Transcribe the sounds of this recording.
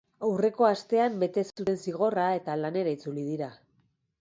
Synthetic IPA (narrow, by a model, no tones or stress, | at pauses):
awre̞ko̞ast̪e̞ambe̞t̪e̞sut̪e̞nsiɣ̞o̞rae̞t̪alane̞ɾait͡sulið̞iɾa